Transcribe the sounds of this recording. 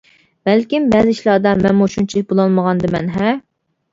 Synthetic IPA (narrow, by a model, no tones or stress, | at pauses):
b̥ælkʲimbɛzɪiʃlˠɑd̪ɑmɛnmuʃunt͡ʃʰilɪk̚ʲbolˠɑlˠməʁɑnd̪ɨmɛ̰nɦɛ